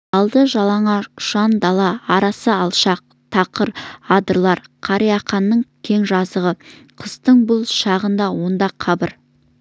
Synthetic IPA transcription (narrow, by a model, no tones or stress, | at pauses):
ɑlˠd̪əʒɑlˠɑɴɑʃɑnd̪ɑlˠɑɑɾɑsəɑlˠʃɑq̚ | t̪ʰɑqəɾɑd̪əɾlˠɑɾqʰɑɾijɑχɑnːəɴkʲʰe̞ŋʒɑzəʁəqʰəzt̪əɴbʊlˠʃɑʁənd̪ɑwo̞nd̪ɑqʰːɑbəɾ